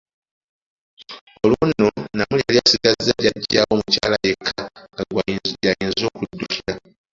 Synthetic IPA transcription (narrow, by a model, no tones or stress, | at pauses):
o̞lunːonamuleliasidazaɟaɟawo̞muca̰ːlajekʰːa | jajiːnzo̞ːkudːucʰiɾa